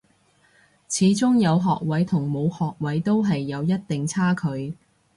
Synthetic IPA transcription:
t͡sʰiː˨˧˥t͡sʊ˥ŋjɐ˨˧wɦɔː˨k̚wɐ˨˥jt̪ʰʊ˨˩ŋmo˨˧whɔː˨k̚wɐ˨˥jt̪o˥wɦɐ˨jːɐ˨˧wjɐ˥t̚t̪ɪ˨ŋt͡sʰaː˥kʰɵ˨˧ɥ

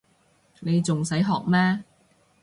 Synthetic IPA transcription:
ne˨˧jt͡sʊ˨ŋsɐ˨˥jɦɔː˨k̚mɛː˥

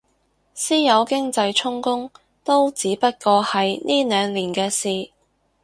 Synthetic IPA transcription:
siː˥jɐ˨˧wkɪ˥ŋt͡sɐ˧jt͡sʰʊ˥ŋkʊ˥ŋ | t̪o˥wt͡siː˨˥pɐ˥t̚kɔː˧hɐ˨jniː˥nœː˨˧ŋliː˨˩nkɛː˧siː˨

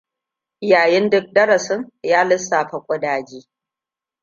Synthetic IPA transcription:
jaː˨jɛ˦ndʊ˦k̚dɐ˦ɾɐ˨sɪ˦ŋjaː˦lɪ˦sːaː˨ɸɐ˨kʷʼʊ˦daː˨d͡ʒiː˦

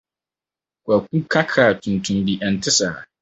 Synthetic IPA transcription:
kʷa˨k̚ʷu˦kʰa˦kʰaː˨tʰũ˨ntʰʊ̃˦ndi˨ʔɛ˨n˨tʰɪ˦saː˨

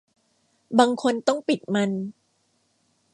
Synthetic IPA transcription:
baː˧ŋkʰo˧nt̪ɔ˥˩ŋpi˨˩t̪̚ma˧n

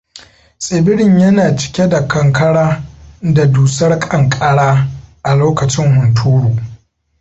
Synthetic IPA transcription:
sʼɪ˨bɪ˦ɽɪ˨ɲjɐ˦naː˨t͡ʃɪ̥˦kʲe˦da˨kʰɐ˨ŋkʰɐ˦ɽaː˦da˨duː˨sɐ˦rkʼɐ˨ŋkʼɐ˦ɽaː˦ʔa˨loː˦kɐ˨t͡ʃɪ˦ŋhʊ˨ntʰuː˦ɽuː˨

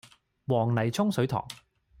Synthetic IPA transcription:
wɔː˨˩ŋnɐ˨˩jt͡sʰʊ˥ŋsɵ˨˥ɥt̪ʰɔ̰ː˨˩ŋ

